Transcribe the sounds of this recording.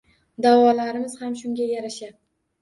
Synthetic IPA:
d̪awɒlaɾɪmɪz̥hamʃʊŋɡʲajaɾaʃa

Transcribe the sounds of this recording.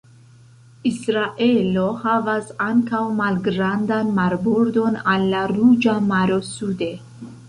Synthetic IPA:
isɾaʔe̞lo̞havasaŋkawmalɡɾandanmaɾbuɾdo̞nalːaɾud͡ʒamaɾo̞sude̞

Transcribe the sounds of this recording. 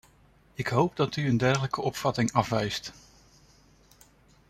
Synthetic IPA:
ɪkɦowp̚dɑtyəndɛɹχələkəɔpfɑtɪŋɑfʋɛjst

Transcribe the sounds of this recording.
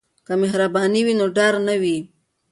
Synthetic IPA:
kamɪɦɾabɑniwinoɖɑɾnawi

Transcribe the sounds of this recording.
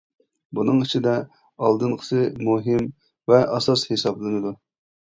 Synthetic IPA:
bunɨŋit͡ʃʰid̪ɛ | ɑlˠd̪ɨnqʰə̥sɨmuɦɪm | vɛʔɑsɑshesɑblˠɨnɨd̪u

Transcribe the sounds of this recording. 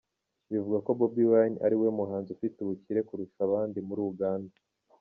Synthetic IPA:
βivuɡako̞bobiwana̰ɾiwemuɦaːnzufituβuciɾe̞kuɾuʃaβaːndimuɾuːuɡaːnda

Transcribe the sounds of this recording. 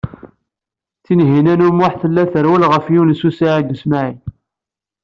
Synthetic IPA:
θinɦinænumʊħθəlːæθəɾwælʁəfjunsusiʕid̪əsmaʕi

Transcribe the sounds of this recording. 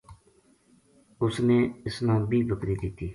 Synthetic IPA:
ʊsneːɪsnãːbiːbəkɾiːd̪ɪt̪iː

